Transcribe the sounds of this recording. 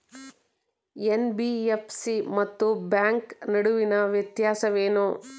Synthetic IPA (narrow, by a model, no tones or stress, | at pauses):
enbiepsimɐt̪ːubjaːŋknɐɽuʋinɐʋjɐt̪jaːsɐʋeːnu